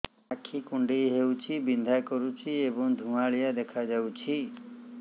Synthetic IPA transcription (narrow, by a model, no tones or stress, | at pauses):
akʰikuɳɖiɦewt͡ʃʰibind̪ʱakɔɾut͡ʃʰiebɔŋd̪ʱũŋaɭijad̪ekʰad͡ʒawt͡ʃʰi